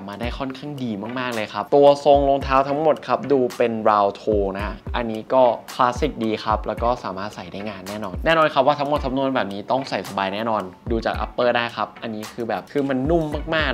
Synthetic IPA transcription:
p̚maː˧daː˥˩jkʰɔ˥˩nkʰaː˥˩ŋdiː˧maː˥˩k̚maː˥˩k̚lɤː˧jkʰa˦˥p̚t̪u˧ɐso˧ŋlo˧ŋt̪ʰaː˦˥wt̪ʰa˦˥ŋmo˨˩t̪̚kʰa˦˥p̚duː˧pe˧nɾaː˧wt̪ʰoː˧na˦˥ʔa˧nːiː˦˥kɔː˥˩kʰlaː˦˥si˨˩k̚diː˧xʰa˦˥p̚lɛː˦˥wkɔː˥˩saː˩˦maː˥˩t̪̚sa˨˩jdaː˥˩jŋaː˧nːɛː˥˩nɔː˧nnɛː˥˩nɔː˧nkʰa˦˥p̚waː˥˩t̪ʰa˦˥mo˨˩t̪ʰːa˦˥mnu˧˩ənbɛː˨˩p̚niː˦˥t̪ɔ˥˩ŋsa˨˩jsa˧baː˧jnɛː˥˩nɔː˧nduː˧t͡ɕa̰ː˨˩k̚ʔa̰˦pːɤː˥˩daː˥˩jkʰa˦˥p̚ʔa˧nːiː˦˥kʰɯː˧bɛː˨˩p̚kʰɯː˧ma˧nːu˥˩mːaː˥˩k̚maː˥˩k̚

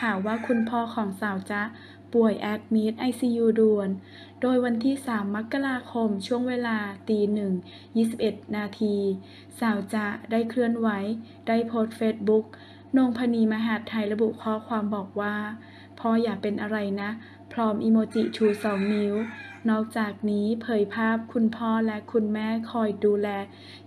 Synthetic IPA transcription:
kʰaː˨˩wːaː˥˩kʰu˧npʰɔː˧˩kʰɔː˩˦ŋsaː˨˩˦wt͡ɕa˧˥ʔ | pu˨˩əjʔɛ˦˥p̚miː˦˥t̪̚ʔa˧jsiː˧juː˧du˧ən | doː˧jwa˧nt̪ʰiː˥˩saː˩˦mːa˦˥kːa˧ɾaː˧kʰo˧mt͡ɕʰu˥˩əŋweː˧laː˧t̪iː˧nɯ˨˩ŋ | jiː˥˩si˨˩p̚ʔe˨˩t̪̚naː˧t̪ʰiː˧ | saː˩˦wt͡ɕa˧˩daː˥˩jkʰɾɯ˥˩ənwa˦˥j | daː˥˩jpʰoː˦˥t̚feː˦˥t̪̚bu˦˥k̚ | noː˧ŋpʰaː˧niː˧maː˧ɦa˨˩t̪ʰːa˧jɾa˧bu˨˩ʔkʰɔː˧˥˩kʰwaː˧mbɔː˨˩k̚waː˥˩ | pʰɔː˧˥˩jaː˨˩k̚pe˧nʔa˧ɾa˧jna˦˥ʔ | pʰɾɔː˦˥mʔiː˧moː˧t͡ɕi˨˩t͡ɕʰuː˧˩sɔː˩˦ŋni˧˦˥wnɔː˥˩k̚t͡ɕaː˨˩k̚niː˦˥pʰɤː˨˩˦jpʰaː˥˩p̚kʰu˧npʰɔː˥˩lɛ˦˥ʔkʰu˧nmɛː˥˩kʰɔː˧jduː˧lɛː˧˩

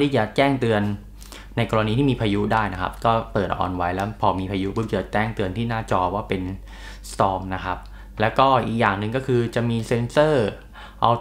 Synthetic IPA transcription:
t̪ʰiː˥˩t͡ɕa˨˩t͡ɕɛː˥˩ŋt̪ɯ˧ənː | a˧jkɔː˧ɾa˧niː˧t̪ʰiː˥˩miː˧pʰaː˧ju˦˥daː˥˩jna˦˥kʰa̰˦˥p̚kɔː˥˩pɤː˨˩t̪̚ʔɔ̰ː˨˩nwa˦˥jlɛː˦˥wpʰɔː˧miː˧pʰaː˧ju˦˥pʰɯ˦˥˩t͡ɕa˨˩t͡ɕɛː˥˩ŋt̪ɯ˧ənt̪ʰiː˥˩naː˥˩t͡ɕɔː˧waː˥˩pe˧n | t̪ɔː˧ŋna˦˥kʰa˦˥p̚ | lɛː˦˥wkɔː˥˩ʔiː˨˩k̚jaː˨˩ŋnɯ˧ŋkɔː˥˩kʰɯː˧t͡ɕa˨˩miː˧se˧nsɤː˥˩ | ʔa˧w

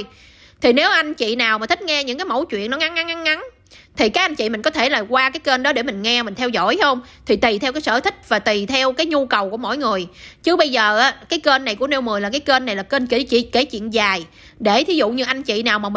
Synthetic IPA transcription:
j | t̪ʰi˨˩ne˨˦wʔa˧jŋ̟t͡ɕḭ˧˨naː˨˩wmaː˨˩t̪ʰi˦˥k̟̚ŋɛ˧ɲɨ̰˧˥ŋk̬aː˨˦jmo̰˧˥wt͡ɕwḭ˧˨ənɔ˨˦ŋa˨˦ŋʔa˨˦ŋʔa˨˦nŋa˨˦n | t̪ʰi˨˩kaː˨˥k̚ʔa˧jŋ̟t͡ɕḭ˧˨mï˨˩ŋ̟kɔ˨˦t̪ʰe˧˩laː˨˩kwaː˧kaː˨˦jkə˧nɗɔ˨˦ɗe˧˩mï˨˩ŋ̟ŋɛ˧mï̟˨˩t̪ʰɛ˧wzɔ̰˧˥˨jhə˧wŋ͡mt̪ʰi˨˩t̪i˨˩t̪ʰɛ˧wkaː˨˦jsə̰ː˧˩t̪ʰï˦˥k̟̚vaː˨˩t̪i˨˩t̪ʰɛ˧wkaː˨˦jɲu˧kə˨˩wku˧˩mo̰˧˨jŋɨ˨˩əjt͡ɕɨ˨˦˥ɓə˧jzəː˨˩ʔaː˨˦kaː˨˦jkə˧nːa˨˩jku˧˩əne˧wmɨ˨˩əjlaː˨˩kaː˨˦jke˧nːa˨˩jlaː˨˩kəː˧nki˧˩˦t͡ɕi˧˨ke˧˩˦t͡ɕwḭ˧˨ənzaː˨˩j | ɗe˧˩t̪ʰi˨˦zṵ˧˨ɲɨ˧ʔa˧jŋ̟t͡ɕḭ˧˨naː˨˩wmaː˨˩˨

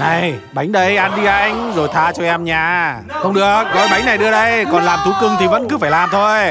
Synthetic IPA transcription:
na˨˩jɓa˨˦jŋ̟ɗə˧jʔa˧nɗi˧ʔa˧jŋ̟zo˨˩jt̪ʰaː˧t͡ɕɔ˧ʔɛ˧mɲaː˨˩ | xə˧wŋ͡mɗɨ˨˩ək̚vɔ˨˦ɓa˨˦jŋna˨˩jɗɨ˧əɗə˧jkɔ˨˩nlaː˨˩mt̪ʰu˨˦kɨ˧ŋt̪ʰi˨˩və̰˧˥nkɨ˨˦faː˧˩jlaː˨˩mt̪ʰo˧j

